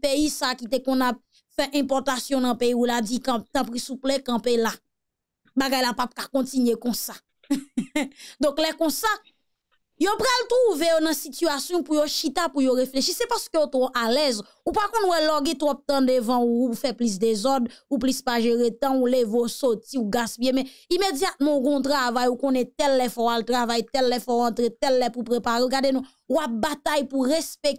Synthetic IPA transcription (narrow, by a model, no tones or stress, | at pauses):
peisaːkit̪ekɔ̃nap̚ | fɛʔɛ̃pɔt̪asjɔ̃nɐ̃peiulad͡zikãp̚t̪ãpʁisuplɛkɐ̃pela | baɡajlapap̚kakɔ̃tinɥekɔ̃sḁ | d̪ɔ̃klɛkɔ̃sa | jopʁalt̪ʁuvejonɐ̃sityasjɔ̃pujoʃit̪apujoʁefleʃisɛpaskøjot̪ʁoʔalɛz | upakɔ̃nwɛlɔɡit̪wap̚t̪ãdevãuuufɛplis̬d̪ezɔdup̬lispaʒeʁet̪ãulevosotiuɡaspjemɛ̃imed͡zjat̪̚mɑ̃uɡɔ̃t̪ʁavajukõnɛt̪ɛlːɛfɔwalt̪ʁavajt̪ɛlːɛfɔuãt̪ɣet̪ɛlːɛpupʁepaɣeuɡadenũ | uap̚bat̪ajpuʁespek̚